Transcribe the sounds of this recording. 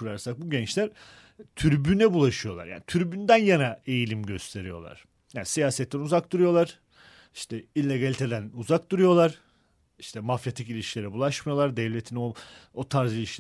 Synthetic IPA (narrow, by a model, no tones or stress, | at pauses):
uɾaɾsak̚buɟɛnt͡ʃlʲæɾ | t̪ʰyɾbynɛbulˠaʃɯjo̞lˠa̰ɾja̰ːnit̪ʰyɾbynd̪ænjanaejilʲimɟø̞st̪ʰe̞ɾijo̞̰lˠa̰ɾ̥ | ja̰ːnisijaːsɛt̪ʰːɛnuzak̚d̪uɾujo̞lˠaɾ̥ | i̥ʃt̪ʰɛilʲːeɡalʲit̪ʰe̞d̪ænuzakd̪uɾujo̞lˠaɾ̥ | iʃt̪ʰɛmafjat̪ʰicilʲiʃkʲilʲeɾɛbulˠaʃmajo̞lˠaɾd̪ɛvlʲet̪ʰinoot̪ʰaɾzilʲiʃʲ